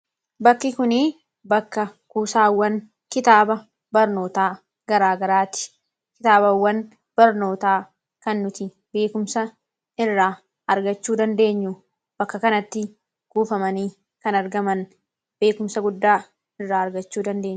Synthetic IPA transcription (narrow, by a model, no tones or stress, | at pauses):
bɐkːɪkʊniː | bɐkːɐkuːsaːwːɐn | kɪt̪aːbɐ | bɐɾno̞ːt̪aː | ɡ̥ɐɾaːɡɐɾaːt̪ɪ̥ | kɪt̪aːbɐwːɐn | b̥ɐɾno̞ːt̪aː | kɐnːʊt̪ɪ | be̞ːkʊmsɐ | ɪrːaː | ɐɾɡɐt͡ʃːuːd̪ɐnd̪e̞ːɲːʊ | b̥ɐkːɐkɐnɐt̪ːɪ | kuːfɐmɐniː | kɐnɐɾɡɐmɐn | be̞ːkʊmsɐɡʊd̪ːaː | ɪrːaːɐɾɡɐt͡ʃːuːd̪ɐnd̪e̞ːɲ